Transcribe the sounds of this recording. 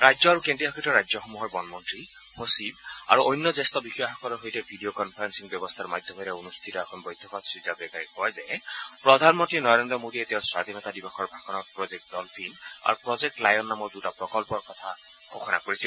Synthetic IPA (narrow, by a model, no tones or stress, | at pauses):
ɹajzɔaɹukentiɔkʰitɔɹajzɔxɔmuɦɔɹbɔnmɔntɹi | hosila̰ɹuʔɔjnːɔzɛstɔbixɔjaxɔkɔlɔɹɦojtɛbʱidiokɔnpʰaɹɛnsiŋbjɔbɔst̪ʰaɹmajd̪ʰʱːɔbɔjɾɛunust̪ʰitɔɛkʰɔnbɔjd̪ʰʱɔkɔtsɹidʱːabɛkaɹikɔjzɛpɹɔd̪ʱanmɔntɹinɔɹendɹɔmodietɛɔswad̪ʱinɔt̪adibɔxʰɔɹbʱakɔnɔɹpɹɔzek̚tdɔlpʰina̰ɹupɹɔzek̚ʈlajɔnːamɔɹdutapɹɔkɔlpɔɹkɔt̪ʰa | xoxʰɔna̰koɹisil